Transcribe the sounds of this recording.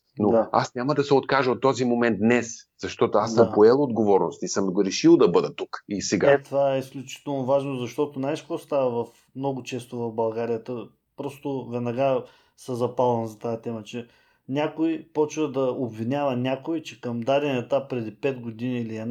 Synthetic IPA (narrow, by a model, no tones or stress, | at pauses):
noa̰snʲaməd̪ɐsɛot̪kaʒəot̪ːɔzimomɛnt̪̚d̪nɛszɐʃt̪ɔt̪oasəmpoɛlˠod̪ɡovɔɾnost̪isəmɡɾɛʃilˠd̪ɐbɤd̪ət̪ukisɛɡat̪ovaɛisklʲut͡ʃi̥t̪ɛlˠnovaʒnozɐʃt̪ɔt̪onajskɔst̪avəvɐf | mnɔɡʊt͡ʃɛst̪ovɐvbɐlˠɡaɾijət̪ə | pɾɔst̪ovɛnɐɡa | səzɐpalˠɐnzɐt̪aɛt̪ɛmət͡ʃɛ | nʲakoipɔt͡ʃvəd̪ɐobvinʲavɐnʲakoit͡ʃɛkəmd̪aɾʲɛnɛt̪apɾɛd̪ipɛd̪ɡod̪iniiliɛn